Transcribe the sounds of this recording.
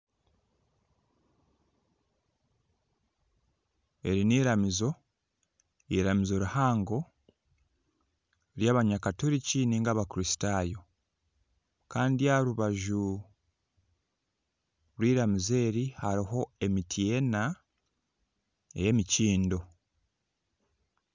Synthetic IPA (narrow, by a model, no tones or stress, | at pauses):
e̞̰ɾiniːɾamizo̞ | iɾamizo̞ɾuhaːŋɡo̞ | ɾjaːβaɲakatuɾiciniːŋɡaβakuɾisi̥tajo̞ | kaːndijaɾuβaʒu | lwiːɾamize̞ːɾihaɾiɦo̞e̞mitʰije̞na | ḛje̞miciːndo̞